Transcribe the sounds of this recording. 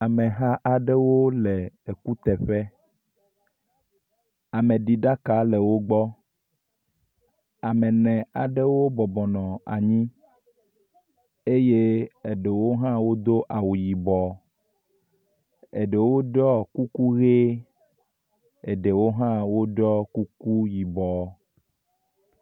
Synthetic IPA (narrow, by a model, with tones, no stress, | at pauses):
a˨mɛ˨ɦã˦ʔa˨ɖe˦wo˦le˨e˨ku˦t̪ɛ˨ɸɛ˦ | a˨mẽ˨ɖi˨ɖa˦ka˦le˨wo˦ɡ͡bɔ˦ | a˨mɛ̃˨nɛ̃˨a˨ɖe˦wo˦bɔ˨bɔ˨nɔ̃˨a̰˨ɲĩ˦ | e˦je˦e˨ɖe˨wo˦ɦã˦wo˦d̪o˦ʔa˨wu˨ji˨bɔ˨ | e˨ɖe˨wo˦ɖɔ˦ku˦ku˦ɣe˦ | e˨ɖe˨wo˦ɦã˦wo˦ɖɔ˦ku˦ku˦ji˨bɔ˨